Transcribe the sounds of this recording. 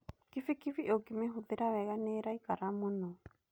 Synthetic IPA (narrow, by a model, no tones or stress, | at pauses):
kifikifiʔokimeɦuðeɾawɛɣaneɾaikaɾamonɔ